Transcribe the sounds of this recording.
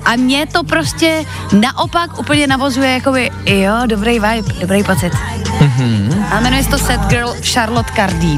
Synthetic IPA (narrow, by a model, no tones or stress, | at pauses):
ʔamɲɛt̪o̞pɾoscɛ | naʔo̞pakʔuːpl̩ɲɛnavozujɛjako̞bɪjodobɾejvajpdobɾejpot͡sɪt̪m̩ɦ̩ʔamɛnujɛst̪osɛt̪ɡəlʃaɾlot̪kaɾdi